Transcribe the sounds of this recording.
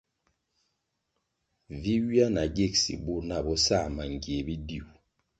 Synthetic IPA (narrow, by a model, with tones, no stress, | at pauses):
vi˦wi˦a˦na˨ɡe˦˨k̚sḭ˨bu˦˨na˦˨bɔ˦sa˦˨ma˨ŋ˨ɡje˨bi˦di˦˨u˨